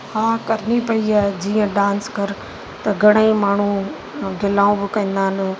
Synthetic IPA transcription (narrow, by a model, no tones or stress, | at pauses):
hãːkɐɾɪnipɐiaːd͡ʑiːə̃ɖãːnskɐɾ | t̪ɐɡʱɐɽ̃aimaːɳ̤u | ɡʱɪlaːũbɪkɐ̃ĩːnd̪aːɦɪn